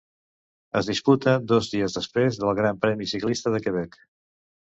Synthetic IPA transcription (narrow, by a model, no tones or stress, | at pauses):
əzðisput̪əd̪ɔzðiəzðəspɾezðəlˠɣɾampɾɛmisiklist̪əðəkəβ̞ɛk